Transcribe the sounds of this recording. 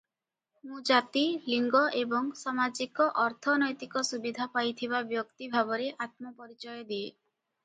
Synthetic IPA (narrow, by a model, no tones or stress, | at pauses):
mũd͡ʒat̪iliŋɡɔʔebɔŋsamad͡ʒikɔʔɔɾt̪ʰɔnɔjt̪ikɔsubid̪ʱapajt̪ʰiβabjɔkt̪ibʱabɔɾeʔat̪mɔpɔɾit͡ʃɔjɔd̪ie